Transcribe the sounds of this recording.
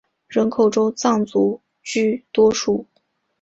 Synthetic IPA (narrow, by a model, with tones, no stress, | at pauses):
ɻə˧˥nkʰo˨˩ʊʈ͡ʂo˥ʊt͡sɑ˥˩ŋt͡su˧˥ | t͡ɕy˥˩t̪wɔ˥ʂu˥˩